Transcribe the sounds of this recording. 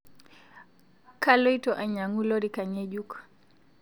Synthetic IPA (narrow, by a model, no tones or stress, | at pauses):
kalɔjtɔʔaɲaŋulɔɾikaɲed͡ʒuk